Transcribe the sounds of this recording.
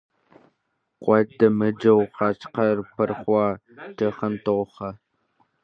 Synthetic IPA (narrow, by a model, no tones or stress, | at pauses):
qʷɔdɐmɨd͡ʒɐwqɑːt͡ʃqɐrpʰɐrχʷɑː | tʰɐχɐntoʁχɐ